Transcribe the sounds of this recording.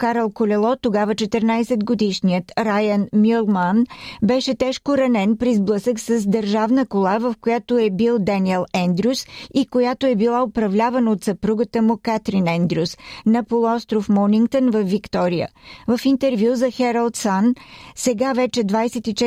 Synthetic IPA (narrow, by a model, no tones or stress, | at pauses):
kaɾɛlˠkolʲɛlˠɔt̪oɡavət͡ʃɛt̪əɾnajsɛd̪ɡod̪iʃnijət̪ɾajənmilˠmanbɛʃɛt̪ɛʃkoɾɐnɛnpɾizblˠɤsəksəzd̪əɾʒavnəkolˠavəfkojat̪oɛbilˠd̪aniɛlˠɛnd̪ɾʲusikojat̪oɛbilˠaopɾɐvlʲavənot̪səpɾuɡət̪əmʊkat̪ɾinɛnd̪ɾʲiusnɐpolˠoɔst̪ɾofmɔniŋkt̪ənvɐfːikt̪ɔɾijə̰vəfint̪ɛɾvjuzɐxɛɾəlˠt̪sansɛɡavɛt͡ʃɛd̪vajsɛt̪it͡ʃɛ